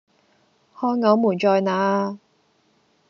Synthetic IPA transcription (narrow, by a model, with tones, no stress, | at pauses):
hɔː˧jŋɐ˨˧˥wmuː˨˩nt͡ʃɔː˧jnaː˨˥